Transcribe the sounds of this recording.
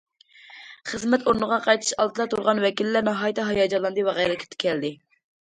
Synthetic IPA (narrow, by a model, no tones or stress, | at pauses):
χəzmɛt̪ʰoɾnəʁɑqʰɑjt̪ʰɨ̥ʃɑlˠt̪ɨlˠɑt̪ʰuɾʁɑnwɛkʲilːæɾnɑɦɑjt̪ʰɛɦɑjɑd͡ʒɑlˠɑnd̪ɨwɑʁæjlˠkʲʰɪ̥t̪ʰɪ̥kʲʰɛld̪ɪ